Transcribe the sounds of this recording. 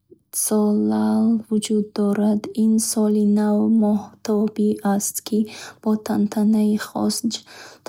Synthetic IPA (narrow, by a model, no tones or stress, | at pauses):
sɔlalvud͡ʒud̪ːɔɾad̪insɔlinavmɔht̪ʰɔbiast̪kʰib̥ɔt̪ʰant̪ʰanaiχɔ̰sd͡ʒt̪ʰ